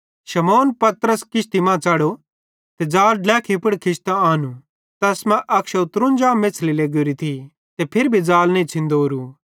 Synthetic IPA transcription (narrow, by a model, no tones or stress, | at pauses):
ʃɐmoːnpɐt̪ɾəskɪst̪imãt͡saːɽo | t̪ed͡zaːlɖlɛːkʰipəɽkʰɪst̪aaːnu | t̪ɐsmãʔɐkʃɐʊt̪ɾũnd͡ʒãːmːeːt͡sʰlileːɡoɾit̪ʰi | t̪epʰɪɾbʱid͡zaːlnẽit͡sʰɪ̃nd̪oːɾu